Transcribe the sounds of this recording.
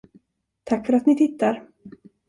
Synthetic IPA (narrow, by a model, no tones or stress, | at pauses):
t̪ʰakːfœɾat̪nɪt̪ʰɪt̪ːaɾ